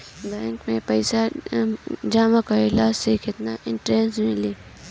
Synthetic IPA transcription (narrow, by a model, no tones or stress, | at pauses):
bɛ̃ːŋkmẽpɐɪsa | d͡ʒaːmãkaɪlaːzsekɪt̪naʔɪ̃ɳʈɾeːsʈmɪleː